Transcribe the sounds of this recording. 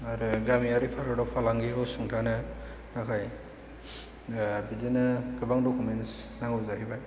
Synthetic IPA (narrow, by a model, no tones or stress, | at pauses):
aɾɯɡɾamiaɾipʰaɾɔdɔpʰalaŋɡiɦɯwsuŋtʰanɯ | nakʰaj | bizenɯɡɯbaŋdɔkumens | naŋɡuzahibaj